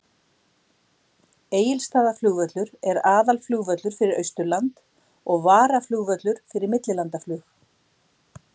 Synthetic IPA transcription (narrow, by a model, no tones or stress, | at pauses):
eːjɪlst̪aːðaflʏːɣvœt̪lʏɾɛɾaːðalflʏːɣvœt̪lʏɾ̥fɪɾɪɾʔœɥst̪ʏlant̪ | ɔɣvaːɾaflʏːɣvœt̪lʏɾ̥fɪɾɪɾmɪt̪lɪlant̪aflʏːx